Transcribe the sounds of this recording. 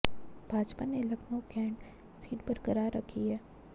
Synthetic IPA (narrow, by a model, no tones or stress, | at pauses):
bʱaːd͡ʒpanelɐkʰnokɛ̃ːɳʈ | siːʈbɐɾkəɾaːɾːɐkʰiɦɛː